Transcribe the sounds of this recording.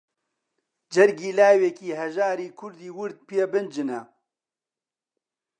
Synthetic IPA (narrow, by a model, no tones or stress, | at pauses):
d͡ʒɛɾɡiːlaːwekiːɦɛʒaːɾiːkʰʊɾd̪iːwʊɾd̪̚pebɨnd͡ʒɨnɛ